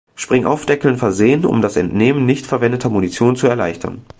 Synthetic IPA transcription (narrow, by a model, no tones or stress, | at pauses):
ʃpʁ̥ɪŋʔa̰ʊfd̥ɛkl̩nfɛɐzeːənʊ̰mdasɛ̰ntneːmənːɪçtfɛɐvɛndətʰɐmunit͡sjoːnt͡suɛɐlaɪçtʰɐ̰n